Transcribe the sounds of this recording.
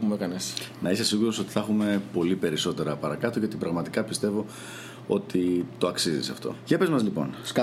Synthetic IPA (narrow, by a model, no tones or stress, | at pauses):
umekɐnesnɐise̞siɣuɾo̞so̞t̪i̥θɐxume̞po̞lipe̞ɾiso̞t̪e̞ɾɐpɐɾɐkɐt̪oʝot̪ipɾɐɣmɐt̪ikɐpist̪e̞vo̞ | o̞t̪it̪o̞ɐksizḭsɐ̰ft̪o̞̰ʝepe̞zmɐzlipo̞̰n